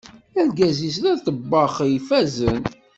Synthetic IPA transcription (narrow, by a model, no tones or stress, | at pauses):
æɾɡæzis̬ɾæθəbːɑχjfæzən